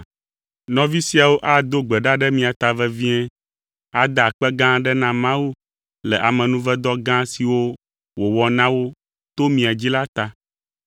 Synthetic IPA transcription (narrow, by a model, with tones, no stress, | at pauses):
nɔ̃˨vi˦si˦a˨wo˦ʔa˦d̪o˦ɡ͡bɛ˨ɖa˦ɖɛ˦mĩ˨a˨t̪a˨vɛ˦vi˦ɛ̃˦ | a˨d̪a˨k͡pɛ˦ɡã˦ɖɛ˦nã˦mã˦wu˦ | lɛ˨ʔa˨mɛ̃˨nũ˦vɛ˦d̪ɔ˦ɡã˦si˨wo˦ | wo˨wɔ˨nã˦wo˦ | t̪o˦mĩ˨a˨d͡ʑi˦la˦t̪a˨